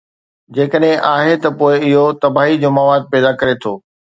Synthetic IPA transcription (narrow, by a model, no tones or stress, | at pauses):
d͡ʑeːkəɗɦẽʔaːɦet̪ɐpoːɪɪɦot̪ɐbaːɦid͡ʑomaːʋaːd̪̚pɛːd̪akɐɾet̪ʰoː